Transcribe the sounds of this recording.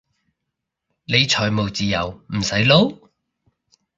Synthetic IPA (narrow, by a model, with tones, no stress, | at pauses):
le˨˧jt͡ʃʰɔː˨˩jmo˨wt͡siː˨jɐ˨˩wm̩˨˩sɐ˨˥jlo˨˧˥w